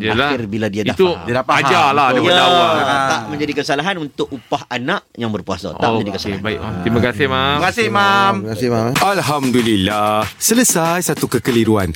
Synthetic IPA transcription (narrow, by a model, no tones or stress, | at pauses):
ialaɪrbiladiadat̪uadapaad͡ʒaladakjaədaat̪aʔmə̃ɲd͡ʒadikəsalaɦanunt̪ʊʔupaɦanaʔjaŋbərpuasa̰t̪aʔmd͡ʒadikəsalabaḭʔat̪imakasɪhmaimkasɪhmamkasɪaalɦamdulilahsələsajsat̪ukəkəliɾuan